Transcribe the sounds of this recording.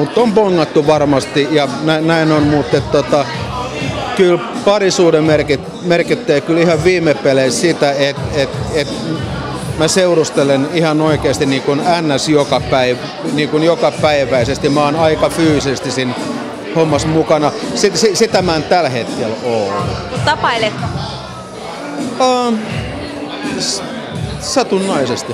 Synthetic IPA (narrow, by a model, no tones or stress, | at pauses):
mut̪ːompoŋːɑt̪ːuʋɑrmɑst̪ijɑnænæinonmut̪ːet̪t̪ot̪ɑ | kylpɑrisuːdemerkit | merkit̪ːeːkylihɑʋʋiːmepːeleissit̪æet̪et̪et̪ | mæseurust̪elenihɑnoikeːst̪iniːkunænːæsjokɑpæiʋ | niːkunjokɑpæiʋæisest̪imæoːnɑikɑfyːsisest̪isin | homːɑsmukɑnɑsisisit̪æmænt̪ælhet̪kelolːukutt̪ɑpɑilet̪ː | ɑː | s | sɑt̪unːɑisest̪i